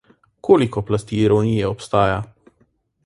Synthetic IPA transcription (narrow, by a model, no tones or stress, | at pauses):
kʰoːlikɔplast̪iːɾɔnijɛɔpst̪aːja